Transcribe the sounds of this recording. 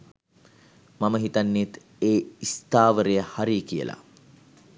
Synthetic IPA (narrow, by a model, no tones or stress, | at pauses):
maməɦit̪anːit̪ | eːist̪aːʋəɾejəhaɾikijə̰la̰